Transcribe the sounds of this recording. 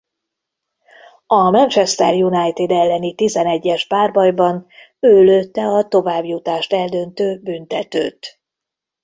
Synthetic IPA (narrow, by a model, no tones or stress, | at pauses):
ɒmɛnt͡ʃɛst̪ɛ̰rjunajt̪id̪ɛlːɛnit̪izɛnɛɟːɛʒbaːrbɒjbɒn | øːløːt̪ːɛɒt̪o̞vaːbjut̪aːʃt̪ɛld̪ø̞nt̪øːbynt̪ɛt̪ø̰ːt̪